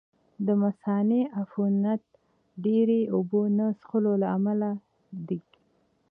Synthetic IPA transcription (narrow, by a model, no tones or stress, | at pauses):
d̪əmasɑneʔafunat̪̚ | ɖeɾeubonasxəlolaamala | d̪iɡi